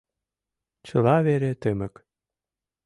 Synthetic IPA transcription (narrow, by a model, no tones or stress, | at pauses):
t͡ɕɤ̆lɑβeɾet̪ɘmə̆k